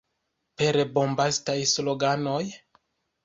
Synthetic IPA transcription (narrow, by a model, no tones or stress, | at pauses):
peɾebo̞mbastajsloɡano̞j